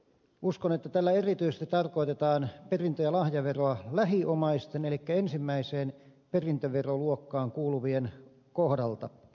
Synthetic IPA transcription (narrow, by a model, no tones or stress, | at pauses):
ʔuskonet̪ːæt̪ælːæerit̪yisest̪it̪ɑrkoit̪et̪ɑːnperint̪øjɑlɑhjɑʋeroɑlæɦiʔomɑist̪enelikːæensimːæiseːn | perint̪øʋeroluokːɑːŋkuːluʋien | kohdɑlt̪ɑ